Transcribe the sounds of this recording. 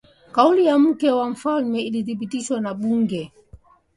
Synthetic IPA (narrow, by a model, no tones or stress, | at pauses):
kaulijam̩kɛwam̩falmɛiliθipitiʃwanaɓuŋɡɛ